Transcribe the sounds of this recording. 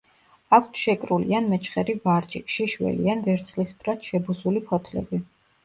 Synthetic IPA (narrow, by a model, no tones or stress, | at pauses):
akʷʰt̪ʰʃɛkʼɾulḭanmɛt͡ʃʰχɛɾivaɾd͡ʒiʃiʃwɛ̰lḭanvɛɾt̪sʰχlispʰɾat̪ʃɛbusulipʰɔt̪ʰlɛ̰bi